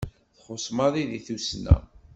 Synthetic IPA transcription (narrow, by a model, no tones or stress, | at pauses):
θχosˤmɑðˤiðiθusnæ̰